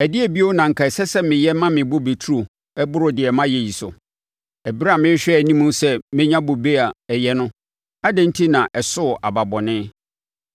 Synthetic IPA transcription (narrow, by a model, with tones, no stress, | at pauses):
ɛ˨dɪ˦ɛ˨bi˦o˦nã˨ŋ̩˨kʰa˨sɛ˦sɛ˦mɪ̃˨jɛ˦mã˦mɪ̃˨bʊ˦be˨tʰu˦o˨ | ɛ˦bʊ˦ɾʊ˨dɪ˨ɛ˨mã˦jɛ˨ji˨sʊ̰˨ | ɛ˨bi˦ɾa˦˨mɪ̃˦ɕᶣɛ˦æ˨nĩ˦mũ˦sɛ˦mɪ̃˦ɲã˦bʊ˨be˦a˨ɛ˨jɛ˦nʊ̃˦ | a˦dɛ̃˦n˦tʰi˦nã˨ʔɛ˨sʊ˦˨ʔa˨ba˨bɔ˨nɪ̃˦